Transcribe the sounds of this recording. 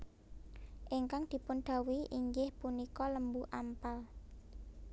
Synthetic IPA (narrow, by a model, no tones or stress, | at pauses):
ʔɪŋkaŋd̪̥i̤pʊnd̪̥a̤wiʔiŋɡɪhpunikɔləmbuʔampal